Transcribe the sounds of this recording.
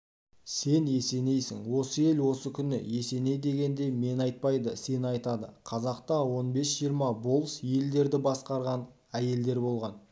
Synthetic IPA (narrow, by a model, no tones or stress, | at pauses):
se̞ne̞se̞ne̞jsɪŋwo̞səe̞lwo̞səkʲʰʏnɪ̰je̞se̞ne̞jd̪e̞ɡʲe̞nd̪e̞me̞nɑjt̪̚pɑjd̪əse̞nɑjt̪ɑd̪əqʰɑzɑqt̪ɑwo̞nbe̞sʒijəɾmɑbo̞lˠsje̞ld̪e̞ɾd̪ɪbɑsqɑɾʁɑn | æje̞ld̪e̞ɾbo̞lˠʁɑn